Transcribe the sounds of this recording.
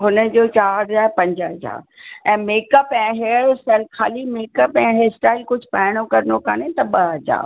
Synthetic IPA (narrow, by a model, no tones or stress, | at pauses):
ɦʊnə̆d͡ʑoːt͡ɕaːɾzaːpɐ̃ɲd͡ʑəɦɐd͡ʑa̰ːɾɛ̃ːmeːkəpɛ̃ːɦeːɽsɛlkʰaːlimeːkəpɛ̃ːɦeːsʈaːɪlkʊd͡ʑʱʊpaːɪɽ̃okɐɾnokanet̪ɐɓɐɦɐd͡ʑa̰ːɾ